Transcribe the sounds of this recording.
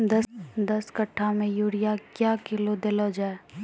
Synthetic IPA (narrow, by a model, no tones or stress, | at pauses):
d̪ɐd̪ɐskəʈʰːamẽjuːɽijakjaːkɪlod̪elod͡ʒaːe